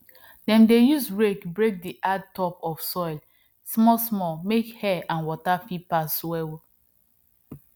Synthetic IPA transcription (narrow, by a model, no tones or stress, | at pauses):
dɛ̃mdejusbɹekbɹek̚diʔad̚tɔpɔfsɔɪl | smɔsmɔmekhɛãnwɔtafipaswɛw